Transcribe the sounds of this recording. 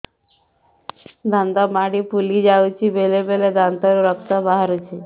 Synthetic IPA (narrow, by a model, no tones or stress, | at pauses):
d̪ʱãnd̪amaɽipulid͡ʒawt͡ʃʰibelebeled̪ant̪aɾuɾəkt̪abaɦaɾut͡ʃʰe